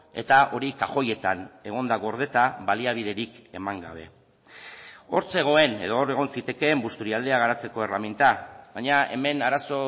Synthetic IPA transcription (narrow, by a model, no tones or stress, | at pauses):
e̞̰t̪aʔo̞ɾikaʝo̞je̞t̪ane̞ɣ̞o̞nd̪aɣo̞ɾð̞e̞t̪aβaliaβ̞ið̞e̞ɾike̞maŋɡa̰β̞e̞̰ | o̞ɾt͡se̞ɣ̞o̞e̞ne̞ðo̞ːre̞ɣ̞o̞nsit̪e̞ke̞mbust̪uɾiald̪eaɣ̞aɾat͡se̞ko̞e̞ramint̪aβaɲae̞̰me̞naɾaso̞